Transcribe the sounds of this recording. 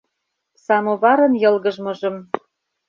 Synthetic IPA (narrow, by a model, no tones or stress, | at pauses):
sɑmoβɑɾɤ̆njɤ̆lɣɤ̆ʒmɤ̆ʒɤ̆m